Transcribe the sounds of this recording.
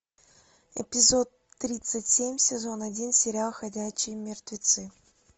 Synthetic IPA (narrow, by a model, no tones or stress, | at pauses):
ɛ̰pʲɪzot̪ːɾʲit̪sɨtʲsʲemʲsʲɪzo̞nɐdʲinsʲɪɾʲɪalˠxɐdʲæɕːɪjmʲɪrt̪vʲɪt̪sɨ